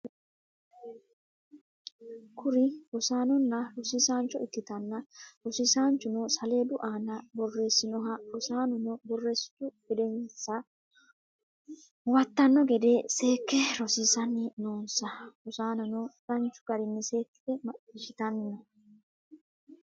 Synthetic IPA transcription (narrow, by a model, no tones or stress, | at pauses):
kʰʊɾɪbɔsaːnɔnːɐɾɔsiːsaːnt͡ʃɔɪt̪ːɪt̪ɐnːɐɾɔsiːsaːnt͡ʃʊnɔsɐle̞ːd̪ʊʔaːnɐbɔrːe̞ːsːɪnɔɦɐɾɔsaːnɔnɔbɔrːe̞ːsɪ̥t̪ʊɡ̥ɛd̪ɛnsɐ | wɐt̪ːɐnːɔɡɛd̪e̞ːse̞ːkːɛɾɔsiːsɐnːɪnoːnsɐʊsaːnɐnɔɾɐnt͡ʃʊ̥ɡ̥ɐɾɪnːɪse̞ːkːɪ̥t̪ɛmɐʔɪʃɪt̪ɐnːɐ